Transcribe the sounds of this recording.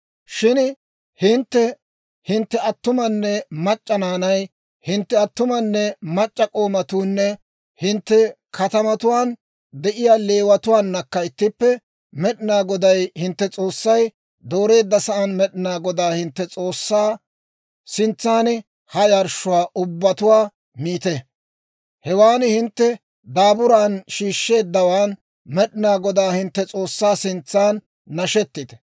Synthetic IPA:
ʃɪn | hɪnt̪ːɛ | hɪnt̪ːɛɐt̪ːʊmɐnːɛmɐt͡ʃʼːɐnaːnɐj | hɪnt̪ːɛɐt̪ːʊmɐnːɛmɐt͡ʃʼːɐkʼo̞ːmɐt̪uːnːɛ | hɪnt̪ːɛ | kʰɐt̪ɐmɐt̪ʊwaːn | d̪ɛʔɪjaːle̞ːwɐt̪ʊwaːnːɐkːɐɪt̪ːɪpːɛ | mɛɗɪnaːɡɔd̪ɐjhɪnt̪ːɛt͡sʼo̞ːsːɐj | d̪o̞ːɾe̞ːd̪ːɐsɐʔɐnmɛɗɪnaːɡɔd̪aːhɪnt̪ːɛt͡sʼo̞ːsːaː | sɪnt͡sːaːnɛ | hɐjɐɾʃʊwaːʔʊbːɐt̪ʊwaː | miːt̪ɛ | hɛwaːnhɪnt̪ːɛ | d̪aːbʊɾaːnʃiːʃːe̞ːd̪ːɐwaːn | mɛɗɪnaːɡɔd̪aːhɪnt̪ːɛt͡sʼo̞ːsːaːsɪnt͡sːaːnː | ɐʃɛt̪ːɪt̪ɛ̥

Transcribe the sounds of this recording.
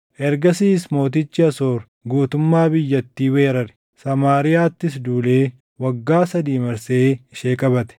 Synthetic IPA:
ʔɛɾɡɐsiːsmo̞ːt̪ɪt͡ʃːɪɐsoːɾ | ɡuːt̪ʊmːaːbɪjːɐt̪ːiːwe̞ːɾɐɾɪ̥ | sɐmaːɾɪjaːt̪ːɪsd̪uːleː | wɐɡːaːsɐd̪iːmɐɾseːɪʃeːkʼɐbɐt̪ɛ̥

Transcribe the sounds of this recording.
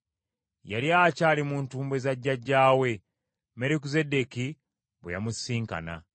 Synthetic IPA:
jaljacaːlimuntuːmbwe̞zaɟːaɟːaːwe̞ | meɾik̬uze̞de̞ki | βeja̰musːiːŋka̰na̰

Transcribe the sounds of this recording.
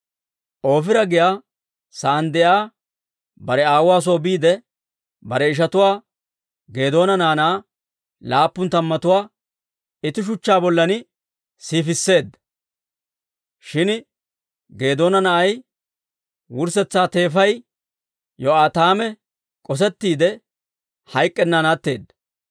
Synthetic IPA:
ʔo̞ːfɪɾɐɡɪjaː | sɐːnd̪ɛjaː | bɐɾɛaːwʊwaːs̬oːbiːd̪ɛ | bɐɾɛɪʃ̬ɐt̪ʊwaː | ɡe̞ːd̪o̞ːnɐnaːnaː | laːpːʊnt̪ɐmːɐt̪ʊwaː | ɪt̪ːɪʃ̬ʊt͡ʃːaːbɔlːɐnɪ | siːfɪsːe̞ːd̪ːɐ | ʃɪn | ɡe̞ːd̪o̞ːnɐnɐʔɐj | wʊɾsɛt͡sːaːt̪e̞ːfɐj | jɔaːt̪aːmɛ | kʼɔs̬ɛt̪ːiːd̪ɛ | hɐjkʼːɛnːaːnaːt̪ːe̞ːd̪ːɐ̥

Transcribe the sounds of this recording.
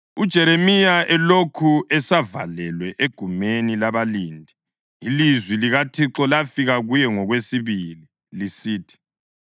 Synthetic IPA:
ud̥ʒ̥ʱɛɾemijaɛlokʰuɛsava̰lɛlwɛʔeɡ̥ʱumenilaβaliːndʱi | ilizwiliɣatʰiǁɔlafiɣaɣujɛŋɔɣwesiβili | lisiːtʰi̥

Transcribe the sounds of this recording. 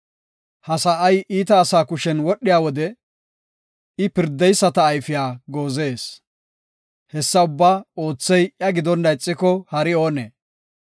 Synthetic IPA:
hɐsɐʔɐjʔiːt̪ɐːsaːkʊʃɛnwɔɗːɪjaːwɔd̪ɛ | ɪpɪɾd̪ːɛjsːɐt̪ɐːjfɪjaːɡoːze̞ːs | hɛsːɐʊbːaːo̞ːt͡sːɛjjɐɡɪd̪ɔnd̪ɐjt͡sʼːɪkɔhɐɾɪo̞ːneː

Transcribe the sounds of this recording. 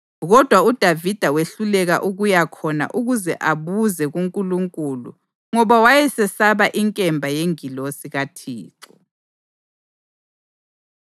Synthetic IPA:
ɣɔd̥ʱwaud̥ʱavid̥ʱaweɬulɛɣa̰ʔuɣujakʰɔna̰ʔuɣuzɛʔaβuzɛɣuŋkʼuluŋkʼulṵ | ŋɔβawajɛsɛsaβaʔiŋkʼɛmbʱajeŋilosiɣatʰiːǀɔ

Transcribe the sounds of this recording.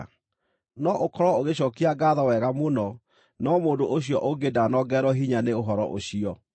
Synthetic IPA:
nɔʔokɔɾwɔoɣeɕɔːkiaɡaðawɛɣamonɔ | nɔmoːndoʔoɕ̬iɔʔoɡedanɔɡɛɾɔɦiɲaneoɦɔɾɔ̰ʔo̰ɕiɔ

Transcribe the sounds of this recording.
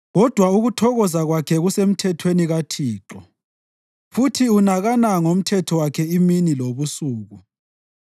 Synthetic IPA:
ɣɔd̥ʱwauɣutʰɔɣɔzaɣwakʰɛɣusem̩tʰɛtʰweniɣatʰiːǁɔ | futʰiunaɣanaŋom̩tʰɛtʰɔwakʰɛiminiloβusuːɣu

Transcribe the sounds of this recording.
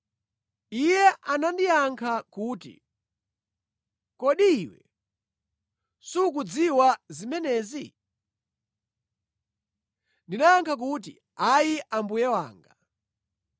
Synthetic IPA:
ijɛʔanandijaŋkʰakuːtḭ | kɔɗiːwɛ̰ | suk̬ud͡ziwazimɛnɛːzi | ndinaaŋkʰak̬ut̬ḭ | ajiʔambujɛwa̰ːŋɡa

